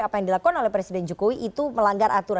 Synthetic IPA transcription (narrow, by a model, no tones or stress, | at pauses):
apajaŋdilakukanolɛhpɾesidɛnd͡ʒukowiʔit̪uməlaŋɡaɾʔat̪uɾa